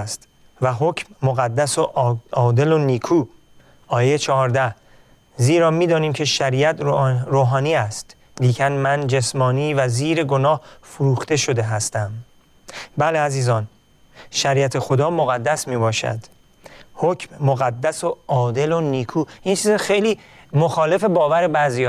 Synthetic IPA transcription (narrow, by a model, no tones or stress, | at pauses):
st̪ | væɦocʰmːoɣæd̪ːæsoʔɒːd̪e̞loniːkʰuː | ɒːjet͡ʃʰɒɦɒːɾd̪æh | ziːɾɒːmiːd̪ɒːniːmcʰe̞ʃæɾiːæt̪ʰɾoːɦɒːniːæst̪ | liːcʰænmænd͡ʒe̞smɒːniːvæziːɾeɡo̞nɒːhfoɾuːxt̪e̞ʃo̞d̪e̞ɦæst̪æm | bæleæziːzɒːn | ʃæɾiːæt̪ʰe̞xod̪ɒːmoɣæd̪ːæsmiːbɒːʃæ̰d̪̥ | hocʰmːoɣæd̪ːæsoɒːd̪e̞loniːkʰuːint͡ʃʰiːzɛxejliː | mo̞xɒːle̞fe̞bɒːvæɾebæzijɒ